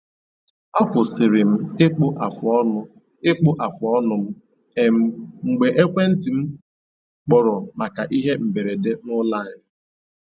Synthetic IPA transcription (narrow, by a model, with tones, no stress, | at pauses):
a˦kʷʊ˨sɪ˨ɾɪ˨m̩˦ɪ˦k͡pʊ˦ʔa˨fɔ˦nʊ˦ | ɪ˦k͡pʊ˦ʔa˨fʊ˨ɔ˦nʊ˨m̩˦ | e˨m̩˨ŋ͡m̩˨ɡ͡be˨ʔe˦kʷe˦n̩˦ti˨m̩˦ | k͡pɔ˨ɾɔ˨ma˨ka˨ʔi˦ɦe˦m̩˨be˨ɾe˨de˦nʊ˦la˦˨ɪ˨n˨